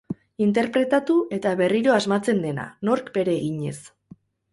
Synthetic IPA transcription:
int̪e̞ɾpɾe̞t̪at̪uʔe̞t̪aβe̞riɾo̞azmat͡se̞nd̪e̞na̰no̞ɾkbe̞ɾe̞ːɣiɲe̞̰s

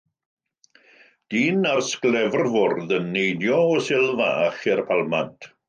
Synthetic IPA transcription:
d̥iːnarsklˠɛvrvʊrðənːejdjɔɔsɪlˠva̰χɛrpʰalˠmantʰ

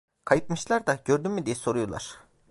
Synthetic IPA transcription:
kʰajɯt̪̚mɯʃlˠaɾd̪aɟøɾd̪ynmid̪ijɛso̞ɾujolˠa̰ɾ̥

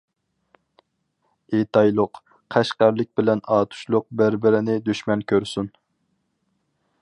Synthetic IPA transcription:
et̪ʰɑjlˠʊq | qʰæʃqæɾlˠɪk̚ʲbɪlɛnɑːt̪ʰu̥ʃlˠʊq̚bæɾbɪɾɪnɪd̪yʃmɛnkʲʰøɾsun

